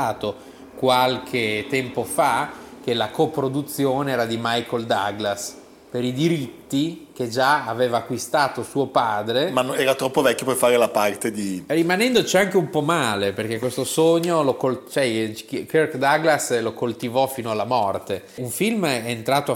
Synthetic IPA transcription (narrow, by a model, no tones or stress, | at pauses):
aːt̪o | kwalkʰet̪ɛmpofak̟elakopɾod̪ut̪sːjoːneɛːɾad̪imajkʰold̪aɡlas | peɾid̪iɾit̪ːik̟ed͡ʒaaveːvaːkːwist̪aːt̪osuːopaːd̪ɾemanɛːɾat̪ɾɔpːovɛkʲjoperfaːɾelapart̪ed̪irimanɛnd̪ot͡ʃiaŋkeumpɔmaːleperk̟ekːwest̪osoɲːolokolt͡ʃoɛkerkd̪aɡlaslokolt̪ivɔfiːnoalːamɔrt̪e | uɱfilmɛːnt̪ɾaːt̪o